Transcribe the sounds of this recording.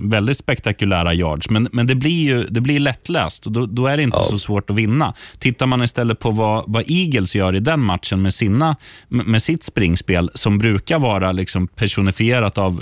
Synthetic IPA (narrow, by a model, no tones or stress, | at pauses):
vɛld̪ɪt̪spɛkt̪akɵlæːɾajɑ̰ːɖʂmɛnmɛnd̪ɛblɪjɵd̪ɛblɪɭɛt̪ːlɛ̰ːst̪ɔd̪ɔd̪ɔæɖɛɪnt̪ʰəsɔsvoːʈɔvɪnːat̪ʰɪt̪ːaɾmanɪst̪ɛlːət̪̚pʰɔvavaʔiːɡəlsjœːɾɪd̪ɛnmat̪ʂənmɛːsiːnːamɛːsɪt̪ːspɾɪŋːspeːlsɔmbɾʉ̟ːkaɾvɑːɾalɪksɔmpʰæʂʊnɪfɪeːɾat̪av